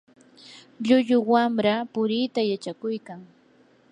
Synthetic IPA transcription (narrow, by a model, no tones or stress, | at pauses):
ʎʊʎʊwamɾapʊɾɪːt̪ajat͡ʃakʊjkaŋ